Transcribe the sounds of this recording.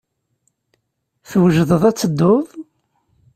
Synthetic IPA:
θwʒðəðˤæt͡sːəd̪ːoðˤ

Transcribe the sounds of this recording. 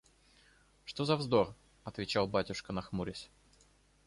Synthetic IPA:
ʂt̪ozɐvzd̪o̞r | ɐt̪vʲɪt͡ɕalˠbatʲʊʂkənɐxmuɾʲɪsʲ

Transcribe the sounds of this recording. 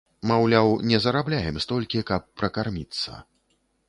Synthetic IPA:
mawlʲawnʲɛzɐɾablʲajɛmst̪ɔlʲkʲikɐpːɾɐkarmʲit̪sːɐ̰

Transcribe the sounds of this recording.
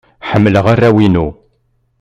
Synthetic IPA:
ħəmːləʁarːæwinu

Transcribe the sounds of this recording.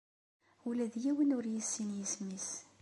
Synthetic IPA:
ulæðjiwənʊɾjisːinjəsmis

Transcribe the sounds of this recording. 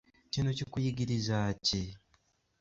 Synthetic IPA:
cino̞cikujiɡiɾizaːci

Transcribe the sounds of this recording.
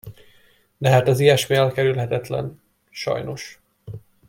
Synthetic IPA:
d̪ɛɦaːt̪ɒzijɛʃmiɛlkɛɾylɦɛt̪ɛt̪lɛ̰n | ʃɒ̰jno̞ʃ

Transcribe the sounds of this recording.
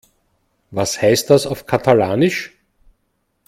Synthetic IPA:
vashæɪst̚d̥asaʊfkʰatʰalaːnɪʃ

